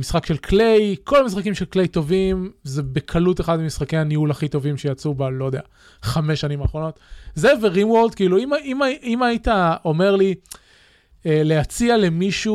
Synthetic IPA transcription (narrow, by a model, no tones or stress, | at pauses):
misχakʃe̞lkʰle̞jkʰo̞lamisχakimʃelkle̞jt̪o̞vimzebe̞kʰalute̞χad̪̚memisχakejhaniulaχit̪o̞vimʃejat͡subalojd̪ea | χameʃanimaːχʁono̞t̪zeveʁinwold̪kiiːluimaʔimaimait̪ao̞me̞ʁli | ele̞at͡siale̞miʃu